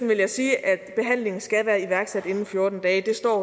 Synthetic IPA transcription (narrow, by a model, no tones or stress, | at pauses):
n̩ʋe̝ljɑ̈ɪsiːʔæd̥b̥e̝ɦæn̰le̝ŋn̩sɡ̥æʋæːɐiʋæɐɡ̥sæd̥e̝nn̩fjo̝ɐd̥n̩d̥ɛːd̥e̝sd̥ɒ̰ː